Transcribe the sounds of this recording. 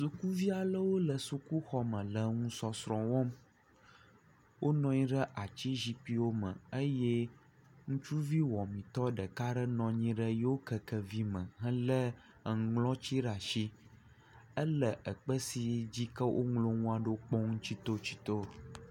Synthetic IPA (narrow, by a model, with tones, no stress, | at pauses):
su˨ku˦vi˦a˨lə˦wo˦lə˨su˨ku˦xɔ˦mə̃˨lə˨ŋũ˦sɔ˦sɾɔ̃˨wɔ̃˦m | wʔo˦nɔ̃˦ɲĩ˦ɖə˦ʔa˨t͡ɕi˦ʒi˦pi˦wo˦mə̰̃˨ə˦jɛ˦ | ŋũ˦t͡ʃu˦vi˦wɔ˨mĩ˨t̪ɔ˦ɖə˨ka˦ɖə˦nɔ̃˨ɲĩ˦ɖə˦je˦wo˦kə˨kə˨vi˦mə̰̃˨ɦə̃˦lə˦˨ | lɔ̃˦t͡ɕi˦ɖa˨ʃi˦ | ə˦lə˨ʔə˨k͡pə˦si˨˦d͡ʑi˦kə˦wʔo̰˦ŋlo˦ŋũ˦a˨ɖo˦k͡pɔ˦ŋũ˦t͡ɕi˦t̪o˦t͡ɕi̥˦t̪o˦